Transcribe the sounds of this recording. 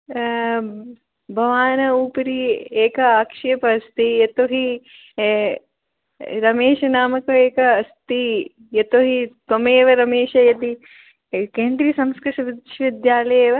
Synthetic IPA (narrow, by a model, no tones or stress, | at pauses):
bʱɐʋaːnɐuːpɐɾieːkɐaːkʂeːpɐɐst̪ijɐt̪oɦi | ɾɐmeːʃɐnaːmɐkɐeːkɐːst̪i | jɐt̪oɦit̪ɐmeːʋɐɾɐmeːʂɐjɐt̪i | keːnd̪ɾisɐmskɾɐʂɐʋid̪ʃɐʋid̪jaːlɐjeːʋɐ